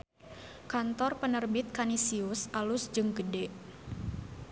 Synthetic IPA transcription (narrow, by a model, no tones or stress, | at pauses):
kant̪ɔrpənərbɪt̪̚kanisiʊsʔalʊsd͡ʒɨŋɡədɛ